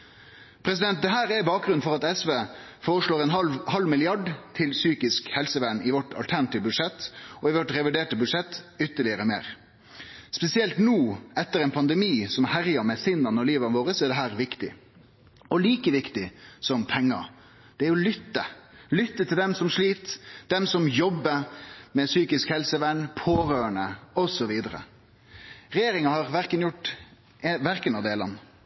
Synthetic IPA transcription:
pʰɾɛsɪd̪ɛnt̪̚d̪ɛɦæːɾɛbɑːk̚ɡɾʉnfɔʁɑt̪ɛsʋeːfoːʁəʂɭoːɾɛnhɑlmɪlɪɑɖt̪ʰɪlsyːkɪskhɛlsəʋænɪʋɔʈɑ̰lt̪ʰæɾnɑt̪ɪːʋbʉd̪ʂɛt̪ːɔɪʋɔʈɾɛʋɪɖeːʈəbʉd̪ʂɛt̪ːʏt̪ːəɭɪəɾəmḛːɾ | spɛsɪɛlt̪nuːɛt̪ːəɾɛɪnpʰɑnd̪ɛmiːsɔmhæɾjɑɾmɛsɪnɑnəɔliːʋɑnəʋoːɾəsɔæɖɛɦæːɾʋɪkt̪ɪ̰ | ɔliːkəʋɪkt̪ɪsɔmpʰɛŋːɑ̰ | d̪̥ɛæɾjʊlʏt̪ːəlʏt̪ːət̪ʰɪld̪ɛmsɔmʂɭiːt̪d̪̥ɛmsɔmjɔbːəmɛsyːkɪskhɛlsəʋænːpʰoːɾøːəɳəɔsɔʋiːd̪əɾə̰ | ɾɛjeːɾɪŋɑhɑʁʋæɾkənjʊʈː | ʋæɾkənɑʋd̪eːlɑ̰n

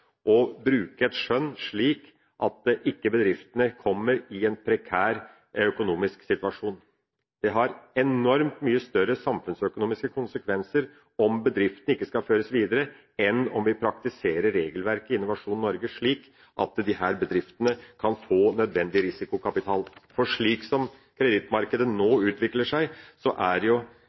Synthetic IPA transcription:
ʔɔbɾʉːkəɛt̪ʂœnːʂɭiːk | ʔɑt̪̚d̪ɛʔɪkːəbəd̪ɾɪft̪ənəkʰɔmːəɾɪɛnpʰɾɛkʰæːɾ | œkʊnuːmɪsksɪt̪ʋɑʂuːn | d̪̥ɛɦɑɾɛnɔɾmt̪myːəst̪œɾəsɑmfʉnsœkʊnuːmɪskəkʰʊnsəkʰʋɛnsəɾ | ɔmbəd̪ɾɪft̪ənəɪkːəskɑføːɾəsʋiːd̪əɾə | ɛnɔmʋɪpʰɾɑkt̪ɪseːɾəɾːeːɡəlʋæɾkəɪnːʊʋɑʂuːnnɔɾɡəʂɭiːk | ʔɑt̪d̪ɪɦæːɾbəd̪ɾɪft̪ənəkʰɑnfoːnœd̪ʋɛnd̪ɪɾɪsɪkʊkʰɑpɪt̪ʰɑːlfɔʂɭiːksɔm | kʰɾɛd̪ɪt̪mɑɾkəd̪ənoːʉːt̪ʋɪkləʂæɪsɔʔæɾjʊ

